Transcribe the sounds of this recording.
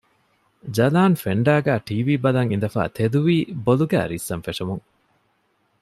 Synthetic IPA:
d͡ʒɐlaːnfeɳɖæːɡæːʈiːʋiːbɐlɐŋind̪ɐfa̰ːt̪ʰed̪uʋiːboluɡæ̰ːɾisːɐnfeʂɐmuŋ

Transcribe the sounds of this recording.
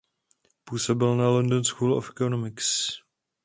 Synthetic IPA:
puːsobɪlnalondonskuːlo̰fɛkonomɪks

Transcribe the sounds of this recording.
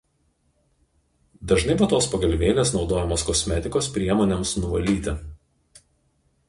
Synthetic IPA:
d̪ɐʒnɐɪbuːt̪oːspɐɡɐlʲʋʲeːlʲeːsnɒʊd̪oːjɛmoːskɔsʲmʲɛt̪ʲɪkoːspʲɾʲiɛmoːnʲɛmsnʊʋɐlʲiːt̪ʲɪ

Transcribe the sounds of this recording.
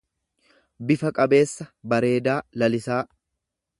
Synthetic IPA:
bɪfɐkʼɐbe̞ːsːɐbɐɾe̞ːd̪aːlɐlɪsaː

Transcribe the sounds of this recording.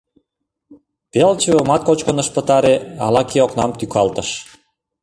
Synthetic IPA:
pelt͡ɕəβəmɑt̪̚kot͡ɕkənə̆ʃpə̆t̪ɑɾeɑ̰lɑkʰeoknɑmt̪ykʰɑlt̪ə̆ʃ

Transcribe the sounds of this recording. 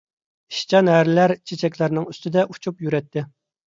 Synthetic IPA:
iʃt͡ʃʰɑnɦæɾɪlæɾt͡ʃʰet͡ʃʰɛkʲlæɾnɪŋyst̪ɪd̪ɛʔut͡ʃʰupjyɾɛt̪ʰːɪ

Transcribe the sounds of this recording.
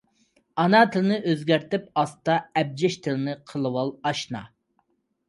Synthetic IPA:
ɑnɑt̪ʰɨlɨnɨʔøzɡʲæɾt̪ɪp̚ɑst̪ɑɛb̚d͡ʒɛʃt̪ʰɪlɪnɨqʰəlˠɨwɑlˠɑʃnɑ̰

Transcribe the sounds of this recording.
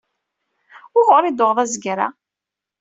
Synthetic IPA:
ʊʁʊɾid̪oʁðˤæzɡɾa̰

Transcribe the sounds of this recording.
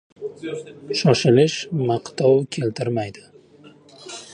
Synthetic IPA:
ʃɒʃɪlɪʃmaqt̪ʰɒwkʲʰe̞lt̪ʰɪɾmajd̪ɪ̥

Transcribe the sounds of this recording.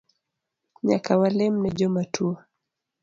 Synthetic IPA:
ɲa̰kawalɛm̩nɛd͡ʒɔmatua

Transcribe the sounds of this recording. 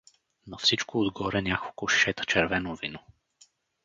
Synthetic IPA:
nofsit͡ʃkoːd̪ɡɔɾɛnʲako̥koʃɛt̪t͡ʃɛɾvɛnovino

